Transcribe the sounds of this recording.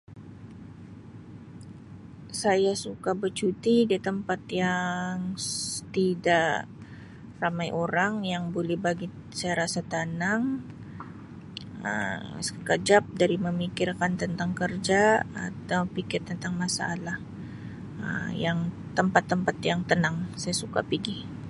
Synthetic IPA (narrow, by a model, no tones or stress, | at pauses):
sajasukabət͡ʃut̪idit̪əmpat̪jaŋt̪idaʔ | ramajʔoɾaŋjaŋbolɛhbaɡi | sajaɾasat̪anaŋ | ə̰səkəd͡ʒap̚daɾiməmikirkant̪ənt̪aŋkərd͡ʒaa̰t̪awpikɛtt̪ːənt̪aŋmasaalah | ə̰mjaŋ | t̪əmpat̪ːəmpat̪jaŋt̪ənaŋsajasuka̰piɡi